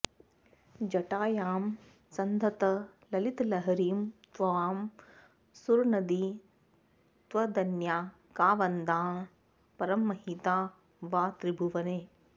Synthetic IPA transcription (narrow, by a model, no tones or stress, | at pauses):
d͡ʒɐʈaːjaːm | sɐnd̪ʱɐt̪ɐlɐlit̪lɐɦɐɾiːmt̪ʋɐʋaːm | suɾnɐd̪i | t̪ʋɐd̪ɐnjaː | kaːʋɐnd̪aː | pɐɾɐmːɐɦit̪aː | ʋaːt̪ɾibʱuʋɐneː